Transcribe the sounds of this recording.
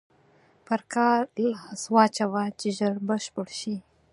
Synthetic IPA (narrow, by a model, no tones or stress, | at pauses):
pəɾkɑɾlswɑt͡ʃawat͡ʃeʒəɽbəʃpəɽʃi